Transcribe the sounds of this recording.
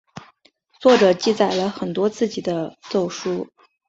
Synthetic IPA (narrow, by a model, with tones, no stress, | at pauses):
t͡swɔ˥˩ʈ͡ʂɤ˨˩˦t͡ɕi˥˩t͡sa˨˩ɪlə˦xə˨˩nt̪wɔ˥t͡sɹ̩˥˩t͡ɕi˨˩d̪ə˦t͡so˥˩ʊʂu˥